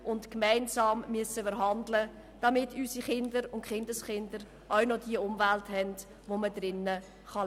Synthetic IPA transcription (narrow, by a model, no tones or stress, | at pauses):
ʔʊntkmæɪnzɑːmːyəsəfəɾɦɑndlə | d̥ɑmɪtysiχɪndəɾʊntχɪndəsχɪndəɾ | ʔawnɔdiəʊmvæltɦɛnd | ʋomədɾɪnːə | χɑ